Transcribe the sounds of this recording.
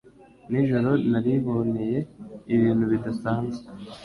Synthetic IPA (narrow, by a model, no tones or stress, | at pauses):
niʒoɾonaɾiβo̞neje̞iβiːn̥huβidasaːnze